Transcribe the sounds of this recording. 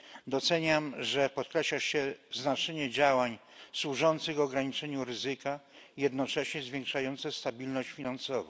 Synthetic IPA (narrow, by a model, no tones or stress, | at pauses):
d̪ɔt̪sɛɲamʐɛpɔt̪̚kɾɛɕlaɕɛznat͡ʂɛɲɛd͡ʑawaɲswuʐɔnt̪sɘɣvɔɡɾaɲit͡ʂɛɲuɾɘzɘka | jɛd̪nɔt͡ʂɛɕɲɛzvʲjẽŋkʂajɔnt̪sɛst̪abʲilnɔɕt͡ɕfʲinansɔva̰